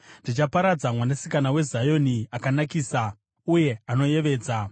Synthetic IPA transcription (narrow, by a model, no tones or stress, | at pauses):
ʐit͡ʃapaɾad͡zamwanasikanawe̞zajo̞niakanakiːsa | uje̞ano̞je̞ʋe̞ːd͡za